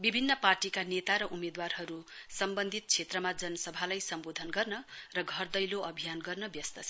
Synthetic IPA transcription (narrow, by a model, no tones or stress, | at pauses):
bibʱinːʌparʈikanet̪aɾʌʔumed̪warɦʌɾusʌmbʌnd̪ʱit̪̚t͡sʰet̪rʌmad͡zʌnʌsʌbʱalajsʌmbod̪ʱʌnɡʌrnʌrʌɡʱʌrd̪ʌjloʔʌbʱijanɡʌrnʌbjʌst̪ʌsʰ